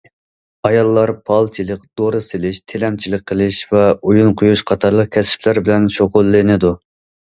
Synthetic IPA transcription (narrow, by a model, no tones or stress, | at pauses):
ɑjɑlˠːɑɾpʰɑlˠt͡ʃʰilˠɨkd̪̥oɾɨsɨlɪʃt̪ʰelɛmt͡ʃʰilɪk̚ʲqʰəlˠɪʃvɛujunqʰʊjuʃqʰɑt̪ʰɑɾlˠəq̚kʲʰɛsɪ̥pʰlæɾbɪlɛnʃoqʊlˠːɨnɪd̪u